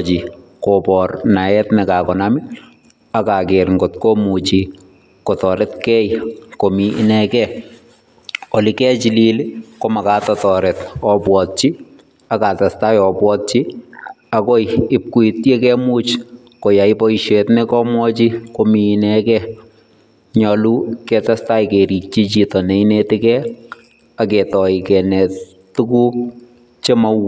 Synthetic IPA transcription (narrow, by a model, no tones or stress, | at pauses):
t͡ʃi | kopɔrnaɛtnɛkakɔnamɪ | akakeɾŋɡotkomut͡ʃi | kotɔɾɛtkɛjkomḭːnɛkɛ | olikɛːt͡ʃililɪkomakatɔtɔːɾɛtɔpwɔt̚t͡ʃi | akatastajɔpwɔt̚t͡ʃi | akojɪp̚kuitjekɛmuːt͡ʃ | kojaipɔiʃetnɛkɔmwɔt͡ʃikominɛkɛ | ɲɔlukɛtastajkeɾik̚t͡ʃit͡ʃitɔneinetɪkɛ | aketɔikɛnɛ | tːukuːk̚ | t͡ʃemaw